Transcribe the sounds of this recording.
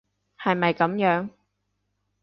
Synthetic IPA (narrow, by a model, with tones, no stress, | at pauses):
hɐ˨jmɐ˨jkɐ˨˥mjœː˨˥ŋ